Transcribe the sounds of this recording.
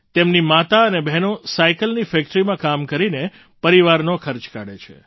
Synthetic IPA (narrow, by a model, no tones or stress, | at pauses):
t̪emnimat̪aənebʱɛɦnosaikəlnifɛkʈɾimãkamkəɾine | pəɾiʋaɾnokʰəɾt͡ʃkaɽet͡ʃʰḛ